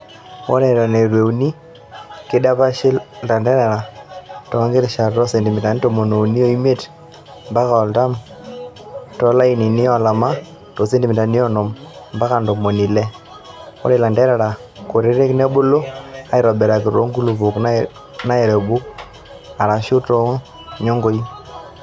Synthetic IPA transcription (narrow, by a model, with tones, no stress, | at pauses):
wɔ˦ɾɛ˨ɾɔ˨nɛ˨ɾwe˨u˨ni˦ | kɪ˦da˦pa˦ʃɪ˦lta˨ndɛ˦ɾa˨ɾa˨tɔ˨˦ŋɡe˦ɾʃa˨ɾtɔ˦se˨ndi˨mɪ˨ta˨ni˦tɔ˦˨mo˨no˨ni˦o˦i˦me˦˨t | mba˦ka˨ɔ˨lta˦m | tɔ˦la˦i˨ni˨nɪ˦ɔ˦la˨ma˦ | tɔ˨se˦ndi˨mɪ˨ta˨ni˦ɔ˦nɔ˨mmba˦ka˨ndɔ˨mo˨ni˨lɛ˦ | wɔ̰˦ɾe˨la˨ndɛ˦ɾa˨ɾa˨ | ko˨ɾe˦ɾe˦knɛ˦bʊ˦lo˦a˦ɪ˨ɾɔ˨bɛ˨ɾa˨kɪ˨ɾo˦ŋɡu˦lu˨βu˨kna˦ | na˦ɛ˨ɾɛ˨bu˦k | a˨ɾa˨ʃu˦tɔ˦ŋ˦ | ɲo˦ŋɡo˦i˦